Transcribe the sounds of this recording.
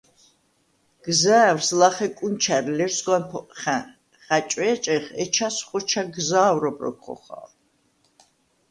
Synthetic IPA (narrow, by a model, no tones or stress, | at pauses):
ɡ̥zaːwɾslaχɛkʼunt͡ʃʰaɾlɛɾsɡwanpʰɔχɛ | χat͡ʃʼwɛt͡ʃʼɛχɛt͡ʃʰasχɔt͡ʃʰaɡzaːwɾɔbɾɔ̰kχɔ̰χa̰l